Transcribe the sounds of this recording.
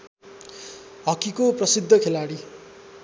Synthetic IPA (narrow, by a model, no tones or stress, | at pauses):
ɦʌkikoprʌsid̪ʱːʌkʰelaɽi